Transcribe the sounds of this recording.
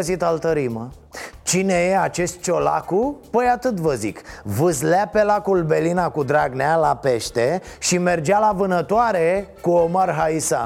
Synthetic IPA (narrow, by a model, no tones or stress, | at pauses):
əzit̪alt̪əɾimə | t͡ʃine̞je̞at͡ʃe̞st̪̚t͡ʃo̞la̰kupəjat̪ɨt̪vəzḭkvɨzlape̞lakulbe̞linakud̪ɾaɡnealape̞ʃt̪e̞ʃime̞rd͡ʒalavɨnət̪oaɾekuomarɦaisa̰